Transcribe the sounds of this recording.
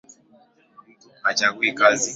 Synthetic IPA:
at͡ʃakwikazi

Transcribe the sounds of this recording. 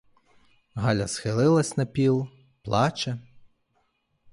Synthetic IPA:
ɦɑlʲɐsxɪlˠɪlˠɐsʲnɐpʲilˠ | plˠɑt͡ʃɐ

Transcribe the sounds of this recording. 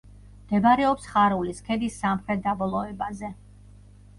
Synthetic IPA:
md̪̥ɛbaɾɛɔpsχaɾuliskʰɛd̪isːamχɾɛt̪̚d̪abɔlˠɔɛbazɛ

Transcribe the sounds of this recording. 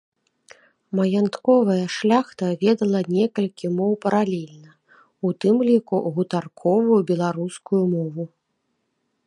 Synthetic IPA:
mɐjant̪kɔvɐjɐʂlʲaxt̪ɐvʲɛd̪ɐlˠɐnʲɛkɐlʲkʲimɔwpɐɾalʲɛlʲnɐ | ut̪ɨmlʲikuɣut̪arkʰɔvujubʲɛlˠaɾuskujumɔvu

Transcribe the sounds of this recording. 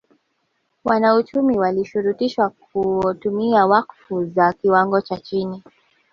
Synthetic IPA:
wanaut͡ʃumiwaliʃuɾutiʃwakutumiawakfuzakiwaŋɡɔt͡ʃat͡ʃini

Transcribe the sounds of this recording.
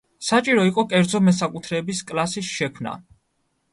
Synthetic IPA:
sat͡ʃʼiɾɔiqʼɔkʼɛɾd̪zɔmɛsakʼut̪ʰɾɛːbiskʼlˠasisʃɛkʰmna̰

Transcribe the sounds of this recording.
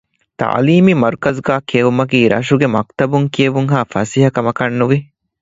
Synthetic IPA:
t̪a̰ːliːmimɐɾkɐzɡaːkiɐʋumɐkiːɾɐ̰ʃuɡemɐk̚t̪ɐbuŋkiɐʋuŋɦaːfɐsiɦɐkɐmɐkɐnːuʋi

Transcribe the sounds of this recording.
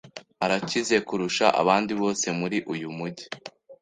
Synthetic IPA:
aɾacize̞kuɾuʃaʔa̰βaːndiβo̞ːse̞muɾiʔujumuɟi

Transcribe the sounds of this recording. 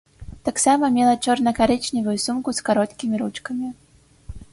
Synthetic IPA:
t̪aksamɐmʲɛlˠɐt͡ʂɔrnɐkaɾɛt͡ʂnʲivujusumkuskaɾɔt̪kʲimʲiɾut͡ʂkɐmʲi

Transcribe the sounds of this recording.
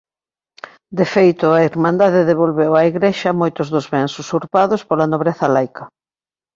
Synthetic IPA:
d̪efejt̪ʊaiɾmãnd̪aðɪðeβ̞olβewɐiɣɾeʃɐmojt̪ʊzðʊzβɛŋsusuɾpaðʊspolɐnoβɾeθɐlajkʰɐ

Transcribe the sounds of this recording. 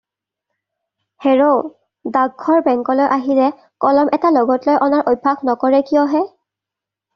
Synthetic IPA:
heɹo | daɡ̚ɡʱɔɹbɛŋkɔlojʔaɦiɹɛ | kɔlɔmʔɛtaloɡɔtlojʔɔnaɹʔoj̚bʱːaɡnɔkɔɹɛkijɔɦɛ

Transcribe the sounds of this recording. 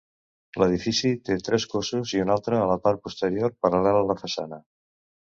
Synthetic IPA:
ləð̞ifisit̪et̪ɾeskosuziunalˠt̪ɾəːlapaɾ̚pust̪eɾjoɾpaɾalɛlːləfasa̰nə

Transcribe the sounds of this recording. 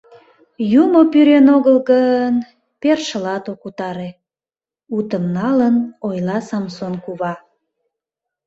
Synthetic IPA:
jumopyɾenoɣəlɣən | perʃəlɑt̪okut̪ɑɾe | ut̪əmnɑlənojlɑsɑmsonkuβɑ

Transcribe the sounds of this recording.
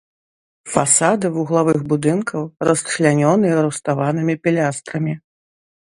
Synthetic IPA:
fasad̪ɨvuɣlˠavɨxbud̪ɨnkʰɐwrɐsʃlʲanʲɔnɨjɛɾust̪avanɨmʲipʲɛlʲast̪ɾɐmʲi

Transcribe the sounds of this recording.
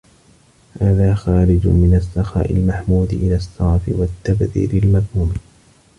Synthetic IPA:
haːðaːxaːɾɪd͡ʒ̰mɪnasːɑxa̰ːʔɪ̰lmaħmuːd̪ʔɪlaːsːɑʕfɪ̰wat̪ːabðḭːɾɪlmaðhuːm

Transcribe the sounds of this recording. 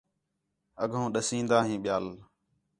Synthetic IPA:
əɡʱõːɗəsĩːnd̪aːɦĩːɓɪjaːl

